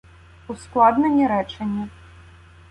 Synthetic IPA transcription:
usklˠad̪nɐnʲɛɾɛt͡ʂɐnʲːi

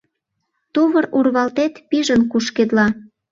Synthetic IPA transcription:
t̪uβəɾurβɑlt̪et̪piʒənkuʃked̪lɑ

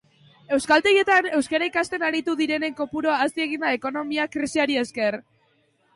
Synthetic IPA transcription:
e̞wskalt̪eje̞t̪ane̞wskaɾaikast̪e̞naɾit̪uðiɾe̞ne̞ŋko̞puɾoaːst̪ie̞ɣind̪ae̞ko̞no̞miakɾisiaɾie̞ske̞ɾ

